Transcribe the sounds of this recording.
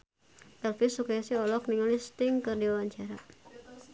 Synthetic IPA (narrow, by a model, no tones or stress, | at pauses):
ɛlfisukajasiɔlɔk̚niŋɔlist̪ɪŋkɨrdiwawaɲt͡ʃaɾa